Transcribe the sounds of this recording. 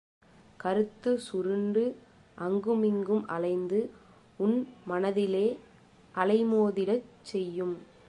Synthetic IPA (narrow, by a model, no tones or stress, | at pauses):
kɐɾɯt̪ːɯsʊɾɯɳɖɯ | ʔɐŋɡɯmɪŋɡɯmʔɐ̰lɐɪnd̪ɯ | ʊnmɐnɐðɪleː | ʔɐlɐɪmoːðɪɽɐt͡ʃːɛjːɯm